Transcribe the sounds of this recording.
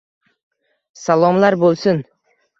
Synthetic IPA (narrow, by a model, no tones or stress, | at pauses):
salˠɒmlaɾbolˠsɪn